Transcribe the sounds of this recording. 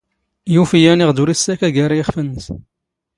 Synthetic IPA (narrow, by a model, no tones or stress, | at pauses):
jufijæniʁd̪uɾisːækæɡaɾˤajiχfənːəs